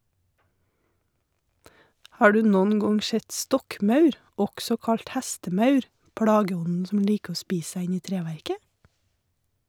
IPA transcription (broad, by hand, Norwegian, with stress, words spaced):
ˈhɑː ˈɖʉː ˈnɔn ˈɡɔŋ ˈʃɛt ˈstɔkˌmɑʉɾ ˈɔksɔ ˈkɑɭt ˈhɛstəˌmɑʉɾ ˈpɽɑːɡəˌɔnn̩ ˈsɔm ˈliːk ˈoː ˈspiːs ˈsæ ˈɪn ˈiː ˈtɾeːʋæɾkə